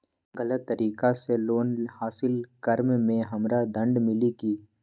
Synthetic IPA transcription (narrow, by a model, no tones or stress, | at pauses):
ɣələt̪ːɐɾʔiːkaseloːnhaːsɪlkɐɾmmẽɦɐmɾad̪ə̃ɳɖmɪlikiː